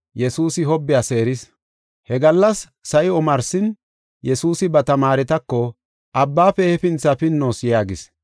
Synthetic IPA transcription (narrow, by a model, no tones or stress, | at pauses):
jɛsuːsɪɦɔbːɪjase̞ːɾɪs | hɛɡɐlːɐsː | ɐjɪɔmɐɾsɪn | jɛsuːsɪbɐt̪ɐmaːɾɛt̪ɐkːɔ | ʔɐbːaːfɛhɛfɪnt͡sːɐfɪnːoːsɪjaːɡɪs